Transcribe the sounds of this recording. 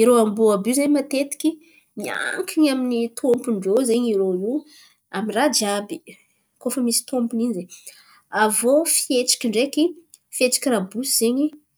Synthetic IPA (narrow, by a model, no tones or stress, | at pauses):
iɾoambuabuzeɲmat̪et̪i̥kʲi | mia̰ŋkʰiɲaminit̪ʰompuɳɖ͡ʐowzeɲiɾoi | amirad͡ʒiabi | kofəmisi̥t̪ompuninize | avofieʈ͡ʂḁkʲiɳɖ͡ʐekʲi | fet͡sḁkʲirabusiz̥eɲi